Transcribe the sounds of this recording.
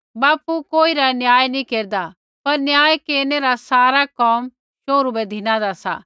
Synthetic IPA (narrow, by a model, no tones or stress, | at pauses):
baːpukoːiɾanjaːjnĩkeːɾd̪a | pɐɾnjaːjkeːɾneɾasaːɾakɔːm | ʃoːɾubɛd̪ʱɪnãd̪asa̰